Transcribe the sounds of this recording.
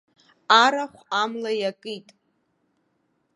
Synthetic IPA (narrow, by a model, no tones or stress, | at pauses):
aɾaχʷamlajakʼitʼ